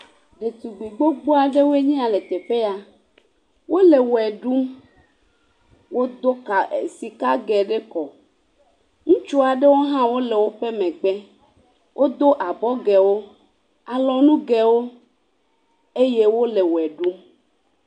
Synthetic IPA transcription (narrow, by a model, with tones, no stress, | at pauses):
ɖe˨t̪u˨ɡ͡bu˨ɡ͡bo˦ɡ͡bo˦a˨ɖe˦wo˦e˦ɲĩ˦a˨le˨t̪e˨ɸe˦ja˦ | wo˦le˨wɛ˨ɖu˦m | wo˦d̪o˦ka˨ḛ˨si˨ka˦ɡɛ˨ɖe˦kɔ˨ | ŋũ˦t͡ʃu˦a˨ɖe˦wo˦ɦã˦wo˦le˨wo˦ɸe˦mẽ˨ɡ͡be˦ | wʔo˦d̪o˦ʔa˨bɔ˦ɡɛ˨wo˦ | a˨lɔ˨nũ˦ɡɛ˨wo˦ | e˦je˦wo˦le˨wo˨ɛ˨ɖu˦m